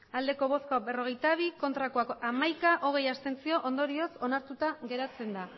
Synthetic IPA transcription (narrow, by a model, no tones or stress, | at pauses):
ald̪e̞ko̞β̞o̞skaβe̞ro̞ɣ̞e̞jt̪aβ̞iko̞nt̪ɾakoakoamajkaʔo̞ɣ̞e̞jast̪e̞nt͡sio̞ʔond̪o̞ɾio̞so̞naɾt̪ut̪aɣe̞ɾat͡se̞nd̪a